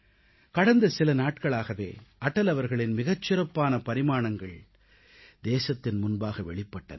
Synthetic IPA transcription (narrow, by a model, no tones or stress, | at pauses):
kɐɽɐnd̪ɐsɪlɐnaːʈkɐɭaːɣɐʋḛːʔɐʈːɐlɐʋɐɾɣɐɭɪnmɪɣɐt͡ʃːɪɾɐpːaːnɐpɐɾɪmaːɳɐŋɡɐɭ | d̪eːsɐt̪ːɪnmʊnbaːɣɐʋɛɭɪpːɐʈːɐ̰